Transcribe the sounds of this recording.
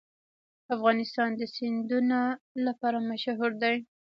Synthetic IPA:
afɣɑnɪst̪ɑnd̪əsɪnd̪unolapɑɾamaʃaɦuɾd̪aj

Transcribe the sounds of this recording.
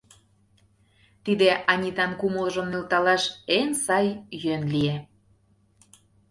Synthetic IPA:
t̪id̪eʔɑnʲit̪ɑnkuməlʒə̆mnelt̪ɑlɑʃensɑjjønlie

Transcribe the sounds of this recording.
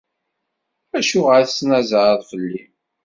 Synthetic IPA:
æʃuʁəɾθsnæzɾəðˤfəlːi

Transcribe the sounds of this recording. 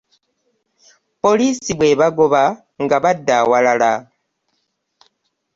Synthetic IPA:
po̞lisibwe̞βaɡoβa | ŋɡaβadawalala

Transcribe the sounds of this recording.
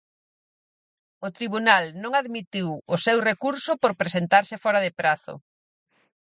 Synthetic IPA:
ʊt̪ɾiβunalnõŋaðmit̪iwʊsewrekuɾsʊpoɾpɾesent̪aɾsɪfɔɾaðɪpɾaθʊ̰

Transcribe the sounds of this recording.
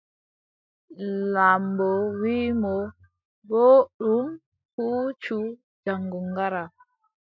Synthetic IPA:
lambɔwiːmɔ | bɔɗum | hut͡ʃu | d͡ʒaŋɡuŋɡaɾa

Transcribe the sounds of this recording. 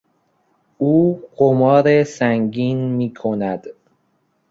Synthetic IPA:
uːɢ̥omɒːɾesæŋɡiːnmiːkʰonæd̪̥

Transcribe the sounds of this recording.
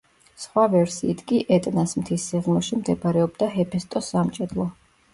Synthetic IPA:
sχwavɛɾsiːt̪ʰkʼiʔɛt̪ʼnasmt̪ʰisiʁmɔʃimd̪ɛbaɾɛɔbd̪aɦɛpʰɛst̪ʼɔsamt͡ʃʼɛd̪lˠɔ

